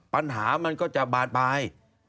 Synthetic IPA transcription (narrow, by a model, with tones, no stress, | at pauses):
ɓa˧nɦaː˨˩˦ma˧nkɔ˨˦˥t͡ɕa˨˩ɓaː˨˩t̚ɓaː˨˩j